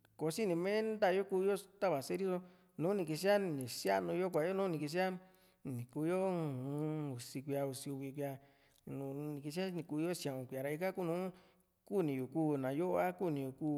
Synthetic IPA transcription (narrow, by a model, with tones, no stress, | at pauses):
ko˨˦si˦nĩ˧mẽ˦nnd̪a˦˧jo˦ku˧jo˦t̪a˦βa˨se˦ɾi˦so˦ | nũː˨˦nĩ˧k̬i˧s̬i˦a˦nĩ˨sja˦nũ˧jo˦kʷa˨jo˦nũ˦nĩ˨ki˧s̬i˦a˦ | nĩ˨ku˧jo˦˧˦ | u˨si˧kʷi˧a˧u˧si˧u˧βi˧kʷja˧ | nũ˧nĩ˨ki˧s̬a˦nĩ˧ku˧jo˦sã˨ũ˨kʷja˨ɾa˧i˧ka˦ku˦˨nũː˦ | ku˦˨nĩ˧ju˨kuː˦˨nã˨jo˦˧a˦ku˦˨nĩ˨˧jo˨kuː˦˨